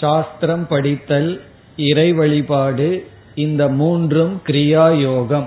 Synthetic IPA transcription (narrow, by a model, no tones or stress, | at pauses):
ʃaːst̪ɾɐmpɐɽɪt̪ːɐl | ɪɾɐɪʋɐɭɪpaːɽɯ | ɪnd̪ɐmuːndrɯmkɪɾɪjaːjoːɣɐm